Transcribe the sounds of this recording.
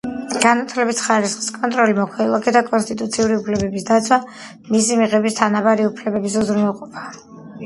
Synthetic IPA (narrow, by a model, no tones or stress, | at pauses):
ɡ̥anat̪ʰlɛbisχaɾisχi̥skʼɔnt̪ʼɾɔlimɔkʰwɛilˠɔkɛd̪akʼɔnst̪ʼit̪ʼut̪sʰiuɾiupʰlɛbɛbisd̪at̪sʰwa | misimiʁɛbist̪ʰanabaɾiupʰlɛbɛbis̬uzɾmɛlˠqʼɔpʰḁ